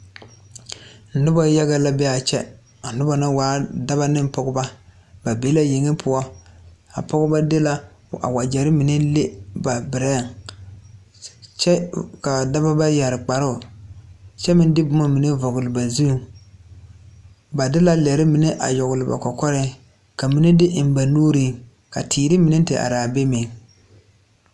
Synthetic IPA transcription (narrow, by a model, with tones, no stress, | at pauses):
n̩˨dʊ˦bɔ˦ja˦ɣa˦la˦bɛ˦a˨t͡ʃɛ̰˦ | a˨n˦ʊ˦bɔ˦na˦waː˨˦da˦ba˦nɪ˦pɔ˦ɡʊ˦ba˦ | ba˨beː˨˦la˦je˨ŋɪ˦pʰʊ˦ɔ˦ | a̰˨pɔ˦ɡʊ˦ba˦dɪ˦la˦a̰˨wa˨d͡ʒɛ˨ɾɪ˦mi˨ne˦le˦ba˨bɪ˨ɾɛ˦˨ŋ | t͡ʃɛ˦ka˨da˦ba˦ba˦ja˨ɾɪ˨k͡pa˨ɾʊ˦˨ | t͡ʃɛ˦mɪ˦n˦dɪ˦bʊ˦ma˦mi˨nɪ˦vɔ˨ɡʊ˨lɪ˨ba˨zu˦˨ | ba˨dɪ˦la˦lɛ˨ɾɪ˦mi˨nɪ˦ʔa̰˨jɔ˨ɣʊ˨lɪ˨ba̰˨kɔ˨kɔ˦ɾɪ˦ | ka˨mi˨nɪ˦dɪ˦ʔɪ˨n˦ba˨nuː˦ɾi˦˨ | ka̰˨tʰiː˨ɾɪ˦mi˨nɪ˦n̩˦tɪ˨ʔa̰˨ɾaː˨be˦mɪ˨ŋ